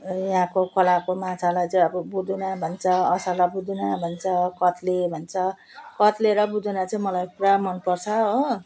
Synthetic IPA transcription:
jɦãkokʰʌlakomãt͡sʰalajt͡sʌĩʌbʌbud̪unabʱʌnt͡sʰʌʌsalabud̪unabʱʌnt͡sʰʌkʌt̪lebʱʌnt͡sʰʌ | kʌt̪leɾʌbud̪unat͡sʌĩmʌlajkuɾamʌnpʌrt͡sʰʌɦo

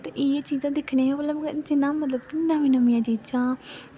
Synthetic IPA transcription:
t̪eʔiːt͡ʃiːzãːd̪ɪkʰnẽːãbəlad͡ʒɪnãːmət̪ləb̚kɪnːãːʋiːnəmɪjãːd͡ʒiːd͡ʒãː

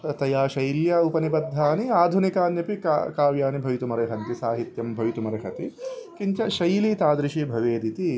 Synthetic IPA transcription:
ɐt̪ɐjaːʃɐjljɐupɐnibɐd̪ʱːaːniaːd̪ʱunikaːnjɐpikkaːʋjaːnibʱɐʋit̪umɐɾɐɦɐnt̪isaːɦit̪jɐmbʱɐʋit̪umɐɾɐɦɐt̪ikiɲt͡ʃɐʃɐjliːt̪aːd̪ɾiʃibʱɐʋeːd̪it̪i

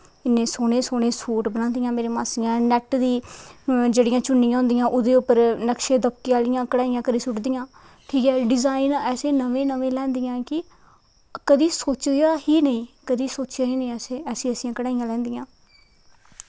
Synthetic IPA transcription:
ɪnːẽːsoːɽeːsoːɽeːsuːʈbənãːnd̪ijãːmeːɾeːmaːsɪjãːnɛʈd̪iː | d͡ʒeːɽɪjãːt͡ʃʊnːɪjãːɦʊ̃nd̪ijãːʔʊd̪eːʊpːəɾnəkʃeːd̪əp̚kiːaːlɪjãːkəɽaːɪjãːkəd̪iːsʊʈd̪ijãː | ʈʰiːkɛːɖɪzaːɪnɛːsẽːnəʋẽːnəʋẽːlɛ̃ːnd̪ijãːkɪ | kəd̪iːsoːt͡ʃjaːɦiːnəĩːkəd̪iːsoːt͡ʃjaːɦiːnəĩːɛːseːɛːsĩːəsĩːãːkəɽaːijãːlɛ̃ːnd̪ijãː

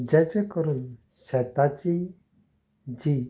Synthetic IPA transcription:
d͡ʑɛt͡ɕekəɾuːn | ɕɛt̪at͡ɕi | d͡ʑi

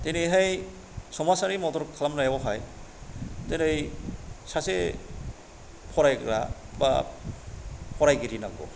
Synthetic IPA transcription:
tenɯjɦaj | sɔmasaɾimɔtɔɾkʰalamnajabɔɦaj | tenɯjsase | pʰɔɾajɡɾa̰ | ba̰ | pʰɔɾajɡiɾinaɡɔ̰

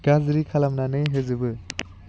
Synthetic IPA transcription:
ɡazɾikʰalamnanɯjɦezɯbɯ

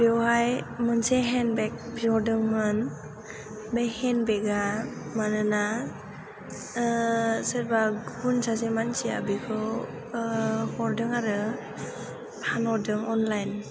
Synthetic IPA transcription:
bewɦajmɯnseɦɛnbek̚bizɔdɯŋmɯn | bejhɛnbeɡamanɯna | sɯɾbaɡunsasemansia̰bikʰɯ | hɔɾdɯŋaɾɯ | hanɔdɯŋɔnlajn

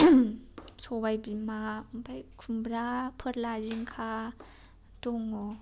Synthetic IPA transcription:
sɔbajbimabʰajkʰumbɾapʰɯɾlaziŋkʰa | tɔŋɔ

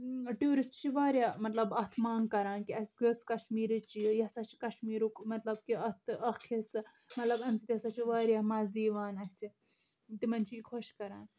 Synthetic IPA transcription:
ʈjuːɾisʈt͡ʃʰiʋaːɾʲjaːmɐt̪lɐbɐt̪ʰmaːŋɡkɐɾaːnkiɐsɡɐskɐʃmiːɾɨt͡ʃijjɐsɐt͡ʃʰi̥kɐʃmiːɾukmɐt̪lɐb̚kiɐt̪ʰɨɐkʰisɨ | mɐt̪lɐbɐmsit̪ʲjɐsɐt͡ʃʰiʋaːɾʲjaːmaːzd̪iːʋaːnɐsi | t̪imɐnt͡ʃʰiikʰoʃkɐɾaːn

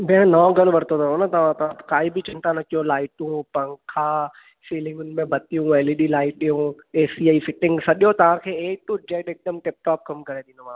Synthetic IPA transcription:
meãnɔːɡɐñʋɐɾt̪ot̪ɐõnɐt̪ɐʋ̤ãt̪ɐãkaːibɪt͡ʃɪ̃nt̪anɐkijõlaːɪʈũpɐ̃ŋkʰaː | siːlɪ̃ŋɡʊnɪ̆mẽbɐt̪ijũʋeːliɗilaːɪʈ̚ɗijũː | eːsiaːifɪʈɪ̃ŋɡsɐɗjot̪ɐʋ̤ãkʰeːeːʈũd͡ʒeːɖeːk̚ɗ̪əmʈɪp̚ʈaːp̚kɐmkɐɾeɗ̪ĩːndomã

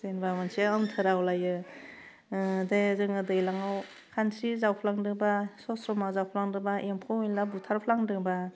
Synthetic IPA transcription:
zenbamansiɯmtʰɯɾawlajɯ | dezɯŋɯdɯjlaŋaw | kʰansʰɾizawpʰlaŋdɯbasɔsɾɔmazawpʰlaŋdɯbaʔempʰɔejlabutʰaɾpʰlaŋdɯŋba

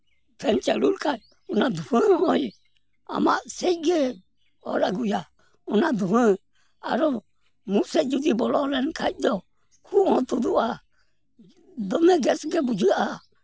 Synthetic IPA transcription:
tʰɛnt͡ʃɛlulkʰaj | unad̪ufɛ̃ɔj | a̰maʔsɛjɡɛ | ɔ̰ɾaɡuja | ɔnad̪uhɛ̃ | a̰ɾɔ | musɛd͡ʒud̪ibɔlɔɾɛnkʰaj̚d̪ɔ | kʰuɔ̃t̪ud̪ua | d̪ɔmɛɡɛsɡɛbud͡ʒɨa

